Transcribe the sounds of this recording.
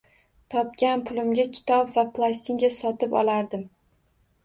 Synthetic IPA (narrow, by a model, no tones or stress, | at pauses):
t̪ʰɒp̚ɡʲanpʰʊlɪmɡʲakʲʰɪ̥t̪ʰɒpvaplˠasʲt̪ʰiŋɡʲasɒt̪ɪpɒ̰lˠaɾd̪ɪm